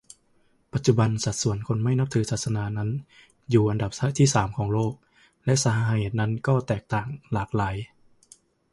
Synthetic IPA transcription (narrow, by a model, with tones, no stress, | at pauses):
pa˨˩t̪̚t͡ɕu˨˩ba˧nsa˨˩t̪̚su˨˩˦ənkʰo˧nma˥˩jna˦˥p̚t̪ʰɯː˩˦sʰaː˨˩t̪̚sa˧naː˧na˦˥n | juː˨˩ʔa˧nda˨˩p̚sa˦˥t̪ʰiː˥˩saː˩˦mkʰɔː˩˦ŋloː˥˩k̚ | lɛ˦˥ʔsa˧ha˧ɦa˧ɦeː˨˩t̪̚na˦˥nkɔː˥˩t̪ɛː˨˩k̚t̪aː˨˩ŋlaː˨˩k̚laː˩˦j